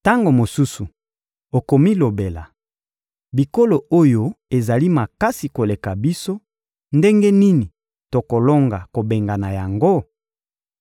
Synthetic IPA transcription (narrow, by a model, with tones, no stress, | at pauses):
ta˦ŋɡo˨mo˨su˦su˨ | o˨ko˨mi˦lo˨be˨la̰˨ | bi˨ko˦lo˨o˦jo˦e˨za˨li˦ma˨ka˦si˨ko˨le˨ka˨bi˦so˦ | nde˦ŋɡe˦ni˦ni˨ | to˨ko˨lo˦ŋɡa˨ko˨be˨ŋɡa˨na˨ja˨ŋɡo˦